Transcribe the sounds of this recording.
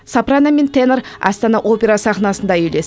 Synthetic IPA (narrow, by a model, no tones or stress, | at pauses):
sapraname̞nt̪ʰenrɑ̰st̪ɑnɑʔo̞pʲeɾasɑχnɑsənd̪ɑjele̞s